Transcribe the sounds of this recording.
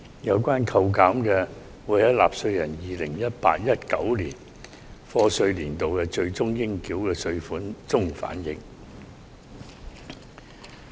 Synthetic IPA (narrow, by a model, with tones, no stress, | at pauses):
jɐ˨˧wkʷaː˥nkʰɐ˧wkaː˨˥mkɛː˧ | wuː˨˥jjɐ˨˥la̰ː˨p̚sɵ˧ɥjɐ˨˩njiː˨lɪ˨˩ŋjɐ˥t̚pa̰ː˧t̚jɐ˥t̚kɐ˨˥wliː˨˩n | fɔː˧sɵ˧ɥliː˨˩nt̪o˨wkɛː˧t͡sɵ˧ɥt͡sʊ˥ŋjɪ˥ŋkiː˨˥wkɛː˧sɵ˧ɥfuː˨˥nt͡sʊ˥ŋfa̰ː˨˥njɪ˨ŋ